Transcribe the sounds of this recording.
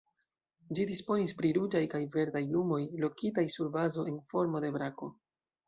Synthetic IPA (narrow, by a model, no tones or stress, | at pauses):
d͡ʒidispo̞nispɾiɾud͡ʒajkajve̞ɾdajlumo̞jlo̞kitajsuɾbazo̞e̞nfo̞ɾmo̞de̞bɾako̞